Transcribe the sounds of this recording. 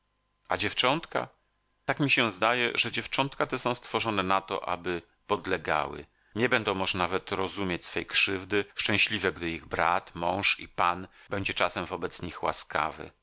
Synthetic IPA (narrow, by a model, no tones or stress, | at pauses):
ad͡ʑɛft͡ʂɔnt̪ka̰ | t̪akmʲiɕɛ̃zd̪ajɛʐɛd͡ʑɛft͡ʂɔnt̪kat̪ɛsɔ̃w̃st̪fɔʐɔnɛnat̪ɔ̰ʔa̰bɘ | pɔd̪lɛɡa̰wɘ̰ | ɲɛbɛnd̪ɔ̃w̃mɔʐnanavɛt̪ɾɔzumʲjet͡ɕsfɛjkʂɘvd̪ɘʂt͡ʂɛ̃w̃ɕlʲivɛɡd̪ɘiɣbɾat̪mɔ̃w̃ʂḭpanbɛɲd͡ʑɛt͡ʂasɛmvɔbɛt̪sɲixwa̰ska̰vɘ̰